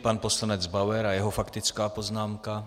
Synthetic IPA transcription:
panposlanɛd͡zbawɛɾajɛɦofakt̪ɪt͡skaːpo̞znaːmka

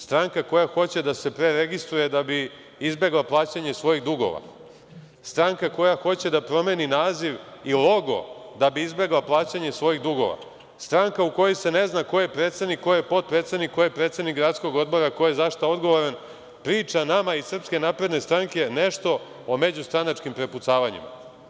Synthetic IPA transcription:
st̪ɾaŋkako̞jaxo̞t͡ɕe̞d̪ase̞pɾe̞ɾeɡist̪ɾuje̞d̪abi | izbe̞ɡlˠaplˠaːt͡ɕaɲe̞sʋo̞jiɣd̪uɡo̞̰ʋa̰ | st̪ɾaŋkako̞jaxo̞t͡ɕe̞d̪apɾo̞me̞ninaːziʋilˠo̞ɡo̞̰d̪abiizbe̞ɡlˠaplˠaːt͡ɕaɲe̞sʋo̞jiɣd̪uɡo̞̰ʋa̰ | st̪ɾaŋkauko̞jojse̞ne̞znako̞jepɾet̪sed̪nikːojepo̞t̪̚pɾe̞t̪se̞d̪nikːojepɾe̞ːt̪sed̪nikɡɾat̪sko̞ɡo̞d̪̚bo̞ɾakojezaʃt̪ao̞d̪ɡo̞ʋoɾen | pɾiːt͡ʂanamaisr̩pske̞naːpɾed̪ne̞st̪ɾaŋke̞ne̞ʂt̪o̞ | ome̞d͡ʑust̪ɾanat͡ʃkimpɾe̞put̪saːʋaɲḭma̰

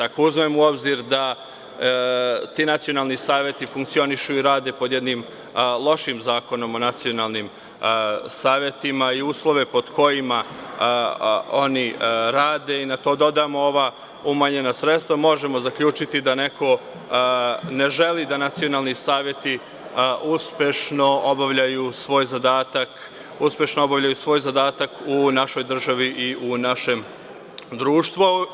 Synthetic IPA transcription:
d̪akouzmemuo̞bziɾd̪a | t̪iːnat̪sio̞nalˠnisaːʋje̞t̪ifuŋk̚t̪sio̞niʃuiɾaːd̪epo̞d̪je̞d̪nim | lˠo̞ʃimzaːko̞no̞mo̞nat̪sio̞naːlˠnim | saːʋje̞t̪imaiuːslˠo̞ʋe̞po̞d̪ko̞jima | o̞niɾaːd̪e̞inat̪o̞ːd̪o̞d̪amooʋa | umaɲe̞nasɾet̪st̪ʋamo̞ʒemo̞zakʎuːt͡ʃit̪id̪ane̞ko̞ | ne̞ʒe̞lid̪anat̪sio̞nalˠnisaːʋjet̪i | uspjeʃno̞ʔobaʋʎajusʋo̞ːjzad̪aːt̪ak | uspʲjeʃnoobaʋʎajusʋo̞ːjzad̪aːt̪akunaʃo̞jd̪r̩ʒaʋiʔiʔunaʃe̞m | d̪ɾuːʃt̪ʋu

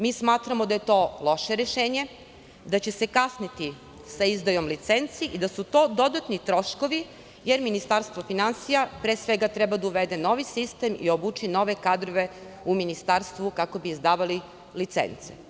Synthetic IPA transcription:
mismaːt̪ɾamo̞d̪aje̞t̪o̞ːlˠo̞ʃe̞ɾeʃeːɲe̞ | d̪at͡ɕese̞kasnit̪i | saizd̪ajo̞mlit̪se̞nt̪siʔid̪asut̪o̞ːd̪o̞d̪at̪nit̪ɾo̞ʃkoʋi | jeɾminist̪aɾst̪ʋofinansijapɾeːsʋeɡat̪ɾɛbad̪auʋed̪e̞no̞ʋisist̪emḭobut͡ʃino̞ʋe̞kad̪ɾoʋe̞ | uminist̪aɾst̪ʋukako̞biːzd̪aːʋali | lit̪sḛnt̪se̥̰

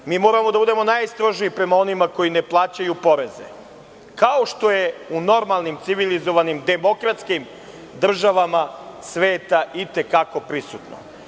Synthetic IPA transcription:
miːmo̞ːɾamo̞d̪abud̪e̞mo̞naːjst̪ɾo̞ʒiipɾe̞mao̞nimako̞jine̞plˠaːt͡ɕajupo̞ɾe̞ze̞̰ | kaoʃt̪o̞je̞uno̞ɾmalˠnimt̪siʋilizo̞ʋanimd̪e̞mo̞kɾat̪skim | d̪r̩ʒaʋamasʋe̞ːt̪aʔit̪e̞kako̞pɾisṵt̪no̰

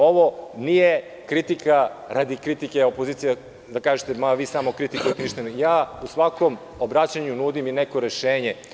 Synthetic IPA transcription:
o̞ʋo̞nije | kɾit̪ikaɾad̪ikɾit̪ikeopo̞ziːt̪sija | d̪akaːʒet̪e̞maʋiːsamokɾit̪ikujet̪eniʃt̪anjaːusʋako̞m | obɾat͡ɕaɲunuːd̪imineko̞ɾe̞ʃeːɲe

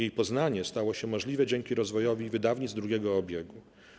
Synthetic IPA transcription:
ejpɔznaɲɛst̪awɔɕɛmɔʐlʲivɛd͡ʑɛŋkʲiɾɔzvɔjɔvʲivɘd̪avɲid̪zd̪ɾuɡʲɛɡɔːbʲjeɡu

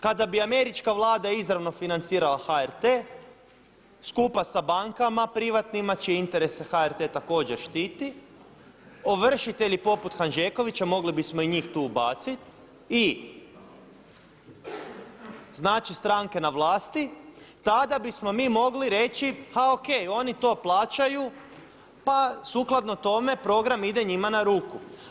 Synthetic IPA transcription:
kad̪abiame̞ɾit͡ʃkaʋlˠaːd̪aizɾaʋno̞finant̪siːɾalaxaeɾt̪eː | skuːpasabaŋkamapɾiʋat̪nimat͡ʃeint̪e̞ɾe̞sexaeɾt̪e̞ːt̪ako̞ːd͡ʑeɾʃt̪it̪i | oʋr̩ʃit̪e̞ʎipo̞put̪xanʒeːko̞ʋit͡ɕamo̞ɡlibismoiɲiːxt̪uːbaːt̪sit̪ | i | znaːt͡ʃist̪ɾaːŋke̞naʋlˠaːst̪it̪ad̪abismo̞miːmo̞ɡliɾe̞t͡ɕihaokejo̞nit̪o̞ːplˠaːt͡ʃaju | pasuklˠad̪no̞t̪o̞me̞pɾo̞ɡɾamid̪e̞ɲimanaɾuːku

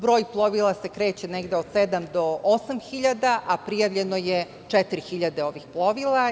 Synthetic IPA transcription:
bɾo̞ːjplˠo̞ʋilˠasekɾe̞ːt͡ɕeneɡd̪eod̪sed̪amd̪o̞osamxiʎad̪aʔapɾijaʋʎenoje | t͡ʂet̪iɾixiʎad̪e̞o̞ʋixplˠo̞ʋilˠa

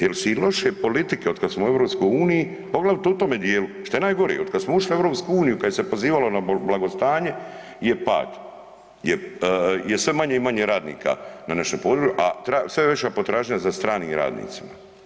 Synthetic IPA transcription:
jelseilo̞ʃepo̞lit̪ikeo̞d̪kad̪smouevɾopskojuːniji | po̞ɡlˠaʋit̪eut̪oːmed̪jeːluʃt̪ojenaːjɡo̞ɾḭod̪kad̪smouʃlievɾoːpskuuːnijukaesepo̞ziːʋalonablaɡo̞st̪aːɲe̞ | jepa̰ːd̪ | jejesʋe̞maɲeimaɲeɾaːd̪nḭːkʰa̰nanaʃompo̞ːd̪ɾuuʔa̰t̪ɾasʋeʋet͡ɕapo̞t̪ɾaːʒɲɲazast̪ɾaːniːmɾa̰ːd̪nḭːt̪sima

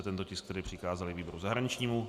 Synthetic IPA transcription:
t̪ɛnt̪ocɪsk̚t̪ɛɾɪːpr̝̥ɪkaːzalɪviːbo̞ɾuzaɦɾaɲɪt͡ʃɲiːmu

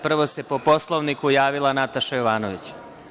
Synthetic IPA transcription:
pr̩ʋo̞se̞po̞po̞slˠo̞ʋnikujaːʋilˠanat̪aʃajoʋaːnoʋit͡ɕ

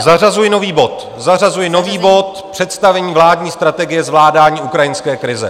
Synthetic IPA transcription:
zarazujɪno̞viːbo̞t̪ | zarazujɪno̞viːbo̞t̪ | pr̥ɛt̪st̪avɛɲiːvlaːdɲiːst̪ɾat̪ɛɡɪjɛzvlaːdaːɲiːʔukɾajɪnskɛːkɾɪzɛ̰

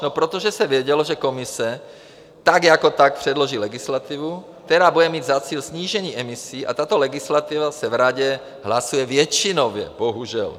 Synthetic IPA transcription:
nopɾot̪oʒɛsɛvjɛɟɛloʒɛko̞mɪsɛ | t̪aɡjakot̪ak̚pr̝̥ɛdlo̞ʒiːlɛɡɪslat̪ɪvuk̚t̪ɛɾaːbudɛmiːd̪zat͡siːlsɲiːʒɛɲiːʔɛmisiːʔa̰t̪at̪olɛɡɪslat̪ivasɛvɾaɟɛ | ɦlasujɛvjɛt͡ʃɪnovjɛ̰boɦuʒɛ̰l

